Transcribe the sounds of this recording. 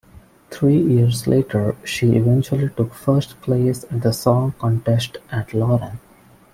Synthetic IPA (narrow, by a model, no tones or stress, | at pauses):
t̪ʰɾiːjiəɾslʔeːʈʰəɾʃiːʔɪ̰ʋɛ̃nt͡ʃuəliʈʊkfəɾsʈpʰleːsɪ̃nd̪əsɔ̃ːŋkɔ̃ɳʈesʈʔæʈlɔːɾə̃n